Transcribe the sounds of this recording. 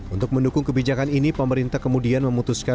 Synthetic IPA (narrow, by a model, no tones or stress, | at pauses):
unt̪ʊk̚məndukʊŋkəbid͡ʒakaninipəməɾint̪ahkəmudianməmut̪uska